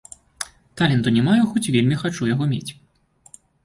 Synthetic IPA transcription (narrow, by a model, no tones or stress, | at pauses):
t̪alʲɛnt̪unʲɛmajuxɔt͡sʲvʲelʲmʲixat͡ʂujaɣɔmʲet͡sʲ